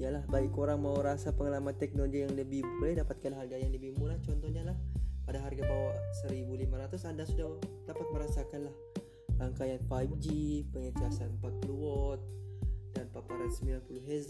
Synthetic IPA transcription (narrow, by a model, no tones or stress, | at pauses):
ijalahbaikoɾaŋmauɾasapəŋalamat̪ːɛk̚noloɡijaŋləbɪhbulɛhdapat̪̚kanlaɦarɡajaŋdibihmulaht͡ʃɔnt̪ɔhɲalahpadaɦarɡabawasəɾibulimaɾat̪ʊsandasudadapat̪̚məɾasakanlah | laŋkajanfajp̚d͡ʒipəŋit̪iasanpak̪̚əluwɔt̪̚danpapaɾansəmbilanpulʊɦez